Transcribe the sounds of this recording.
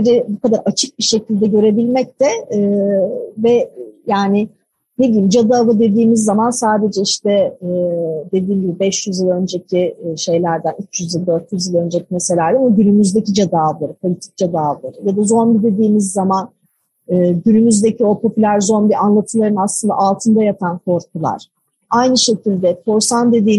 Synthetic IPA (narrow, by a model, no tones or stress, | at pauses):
biɾɛbukad̪aɾat͡ʃʰɯk̚biʃe̞cʰilʲd̪ɛɟø̞ɾe̞bilʲmɛc̚t̪ɛː | vɛjaːnɪ | ne̞d̪ijimd͡ʒad̪aːvɯd̪e̞d̪iːmizːamansaːd̪e̞d͡ʒɛiʃt̪ɛː | d̪e̞d̪iːmɟibibɛʃjyzilˠønd͡ʒe̞cʰiʃe̞jlʲæɾd̪ænyt͡ʃʰjyzilˠd̪øɾt̪jyzilˠø̞nd͡ʒecʰʲimese̞lʲaɾd̪ɛamaɟynymyzd̪e̞cid͡ʒad̪avlˠaɾɯpʰo̞lʲit̪ʰi̥c̚d͡ʒad̪aːvlˠaɾɯjad̪azo̞nbid̪e̞d̪iːmizːaman | ɯːɟynymyzd̪e̞cʰio̞pʰo̞pʰylʲæɾzo̞nbianlˠat̪ʰɯlˠaɾɯnaslˠɯnd̪a̰ʔalˠt̪ʰɯnd̪ajapʰankʰo̞ɾkʰulˠa̰ɾ̥ | ajnɯʃe̞cʰilʲd̪ɛkʰo̞ɾsand̪e̞d̪iː